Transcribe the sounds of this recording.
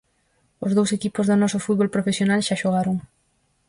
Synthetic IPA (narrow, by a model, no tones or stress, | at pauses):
ʊzðowsekipozðʊnɔsʊfut̪βolpɾofesjonalʃaʃoɣaɾoŋ